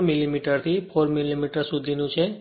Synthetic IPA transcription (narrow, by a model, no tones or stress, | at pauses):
milimiʈəɾt̪ʰipʰoɾmilimiʈəɾsud̪ʱinũt͡ʃʰe